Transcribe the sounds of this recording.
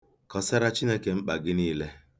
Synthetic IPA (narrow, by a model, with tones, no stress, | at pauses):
kɔ˨sa˦ɾa˦t͡ʃi˦ne˦ke˨ŋ͡m̩˦k͡pa˨ɡɪ˦niː˦le˦